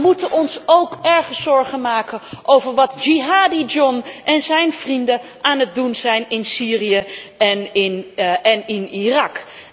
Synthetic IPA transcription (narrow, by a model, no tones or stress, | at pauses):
mutənʔɔnsowkɛɹχəsɔɹχənmaːkənʔowvəɹʋɑtd͡ʒiɦaːdid͡ʒɔnʔɛnzɛjnv̥rindəʔaːnɦət̚dunzɛjnɪnsiːrijəɛnɪnɛnɪnirɑk